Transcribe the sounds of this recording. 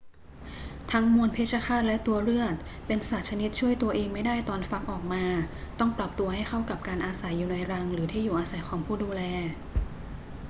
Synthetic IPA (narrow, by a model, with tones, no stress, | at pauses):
t̪ʰa˦˥ŋmu˧ənpʰeː˥˩t̪̚t͡ɕʰa˧˥kʰaː˥˩t̪̚lɛ˦˥t̪u˧ɐɾɯ˥˩ət̪̚pe˧nsaː˨˩t̪̚t͡ɕʰa˧ni˦˥t̪̚t͡ɕʰu˥˩əjt̪u˧ɐʔeː˧ŋma˥˩jdaː˥˩jt̪ɔː˧nfa˦˥k̚ʔɔː˨˩k̚maː˧t̪ɔ˥˩ŋpɾa˨˩p̚t̪u˧ɐha˥˩jkʰa˥˩wka˨˩p̚kaː˧nʔaː˧sa˩˦jːuː˨˩na˧jɾa˧ŋɾɯː˩˦t̪ʰiː˥˩juː˨˩ʔaː˧sa˨˩˦jkʰwaː˩˦ŋpʰuː˥˩duː˧lɛː˧